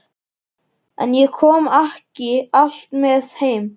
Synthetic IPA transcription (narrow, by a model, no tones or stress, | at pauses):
a̰njɛkʰɔːmahcɪaɬt̪mɪθhejm